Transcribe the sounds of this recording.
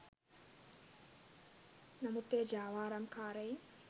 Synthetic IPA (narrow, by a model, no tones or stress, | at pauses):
nɐmut̪ːeːd͡ʒaːʋaːɾamkʰaːɾɐji